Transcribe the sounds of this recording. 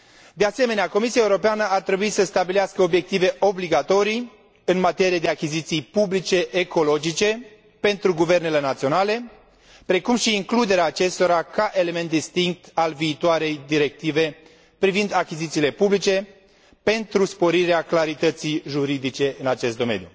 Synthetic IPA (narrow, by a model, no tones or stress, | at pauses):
d̪ease̞me̞neako̞misiaeuɾo̞peanəart̪ɾe̞buit̪səst̪abileaskəo̞bje̞k̚t̪ive̞ʔo̞bliɡat̪o̞ɾij | ɨnmat̪e̞ɾied̪e̞akʲizit̪sijpublit͡ʃe̞ʔeko̞lo̞d͡ʒit͡ʃe̞ | pe̞nt̪ɾuɡuve̞rne̞le̞nat̪sio̞nale̞ | pɾe̞kumʃiːŋklud̪e̞ɾeaːt͡ʃe̞st̪o̞ɾakaʔe̞le̞me̞nt̪̚d̪ist̪iŋk̚t̪alviːt̪oaɾe̞jd̪iɾe̞k̚t̪ive̞ | pɾivind̪akʲizit̪siːle̞publit͡ʃe̞ | pe̞nt̪ɾuspo̞ɾiɾeaklaɾit̪ət̪sijʒuɾid̪it͡ʃe̞ʔɨnat͡ʃe̞st̪̚d̪o̞me̞̰nju